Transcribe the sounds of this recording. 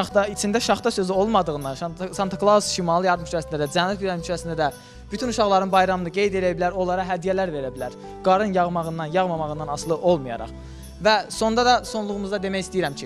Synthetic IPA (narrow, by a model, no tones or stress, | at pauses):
ɑχt̪ɑit͡ʃʰind̪æʃɑχt̪ɑsø̞zio̞lˠmɑd̪ɯʁɯnd̪ɑnsɑnt̪ʰoklˠausʃimɑlˠɯjɑɾd̪ɯmʃyɾæsind̪æd̪æd͡ʒænːæt̪ɡyɾæɾmʃɾæsind̪æd̪æ | b̥yt̪ʰynuʃɑʁlˠɑɾɯnbɑjɾɑmɯnɯɡe̞jd̪e̞lijabilæɾo̞lˠɑɾɑɦæd̪ijælæɾve̞ɾæbilæɾ | ɡ̥ɑɾɯnjɑʁmɑʁɯnd̪ɑnjɑʁmɑmɑʁɯnd̪ɑnɑslˠɯʔo̞lˠmujɑ̰ɾɑ̰χ | væso̞nd̪ɑd̪ɑso̞nlˠuʁumuzd̪ɑd̪e̞mæjist̪ijiɾæmcʰi